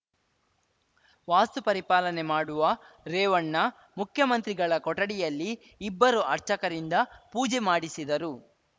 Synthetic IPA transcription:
ʋaːst̪upɐɾipaːlɐnemaːɽuʋɐ | ɾɛːʋɐɳːɐ | mukʰjɐmɐnt̪ɾiɡɐɭɐkɔʈɐɽijɐlːiː | bːɐɾuʔɐɾt͡ʃɐkɐɾind̪ɐpuːd͡ʒemaːɽisid̪ɐɾu

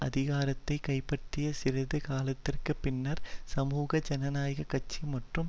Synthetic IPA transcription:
ɐðɪɣaːɾɐt̪ːɐɪkɐɪpːɐʈ̪ːɪjɐsɪɾɐðɯkaːlɐt̪ːɪrkɯpɪnːɐɾsɐmuːɣɐd͡ʒɐnɐnaːjɐɣɐkɐt͡ʃːimɐʈrɯm

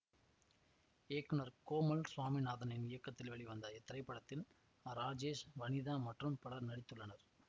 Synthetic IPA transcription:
eːkːɯnɐɾkoːmɐlsʋaːminaːðɐnɐɪnɪjɐkːɐt̪ːɪlʋɐɭiʋɐnd̪ɐɛt̪ːɪɾɐɪpːɐɽɐt̪ːɪl | ɐɾaːd͡ʒeːsʋɐnɪðaːmɐʈrɯmpɐɽɐɾnɐɽɪt̪ːɯɭːɐnɐɾ

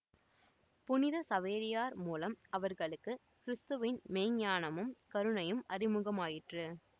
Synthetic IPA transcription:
pʊnɪðɐsɐʋeːɾɪjaːɾmuːlɐmɐʋɐɾɣɐɭɯkːɯ | kɪɾɪst̪ɯʋɪnmeːŋɲaːnɐmɯmkɐɾɯɳɐjɯmʔɐrɪmɯɣɐmaːjɪʈrɯ

